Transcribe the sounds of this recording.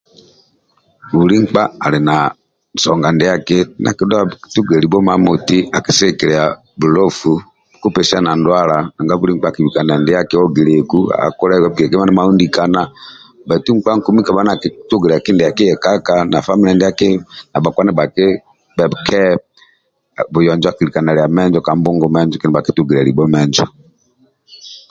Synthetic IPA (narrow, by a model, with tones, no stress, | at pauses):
βu˨ɾi˦ŋ͡m̩˦k͡pa˦a˨lɛ˨na˨ | sɔ˨ŋɡa˨ndɛ˨˦a˦kɪ˦nʔa̰˨ki˨˦da˦˨tu˦ɡɛ˨ɾi˨bɔ˦ma˨mo˨ti˦a˨ki˨sɛ˦˨kɛ˨ɾɛ˨ja˨ | bu˨lɔ˦fu˨ | ku˦pɛ˨si˦a˦na˨ndwa˦la˨a˨ŋɡa˦βu˦ɾi˦ŋ̩˦k͡pa˦˨ki˨i˨ka˨n˨a˨ndɛ˨˦ja˦kɪ˦wɔ˦ɡi˨ɾe˨ku˦a̰a̰˨ku˦ɾa˦˨wa˦bɡɛ˨kɛ˦ma˦nɛ˦ma˦u˦ndi˨ka˨na˦ | ba˨tu˦ŋ̩˦k͡pa˦ŋ̩˦ku˦mi˦ka˨ba˦na˨ki˨tu˦ɡɛ˨ɾɛ˨a˨ki˦ndɛ˨ja˨ki˦ɛ˨ka˦ka˨na˨fa˦mi˦ɛ˨ndɛ˦a˦ke˦na˨ba˨kwa˦nɛ˦ba˨ke˦ | bɛ˨bkʰɛ˦˨ | bu˨jɔ˨nd͡ʒa˦ki˨li˨ka˨na˨lɛ˨a˨mɛ˦nd͡ʒɔ˦ka˨m˦bu˦ŋɡɔ˦mɛ˦nd͡ʒɔ˦kɛ˦nɛ˦ba˨ki˨˦tu˦ɡi˨ɾɛ˨ɾi˨bɔ˦mɛ˦nd͡ʒɔ̰˨